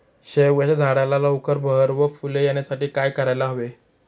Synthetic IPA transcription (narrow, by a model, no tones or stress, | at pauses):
ɕewaɕad͡zʱaɽalalaukəɾbʱəɾʋəfulejenjasaʈiːkajkəɾajlaɦʋe